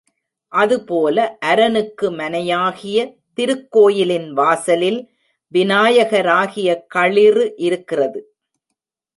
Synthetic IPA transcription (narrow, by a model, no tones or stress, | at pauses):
ʔɐðɯpoːlɐʔɐɾɐnɯkːɯmɐnɐjaːɣɪjɐ | t̪ɪɾɯkːoːjɪlɪnʋaːsɐlɪl | ʋɪnaːjɐɣɐɾaːɣɪjɐkɐɭɪrɯʔɪɾɯkːɪrɐðɯ